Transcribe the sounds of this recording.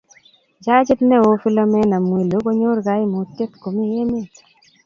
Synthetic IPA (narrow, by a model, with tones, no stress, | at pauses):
d͡ʒa˦d͡ʒɪ˦tnɛ˦˨wo˨fi˦lɔ˦mɛ˦na˨mwe˨lo˨˦ko˦ɲo˦ɾɡa˨˦ɪ˦mo˨te˦t̪ko˨mi˦je˦me˦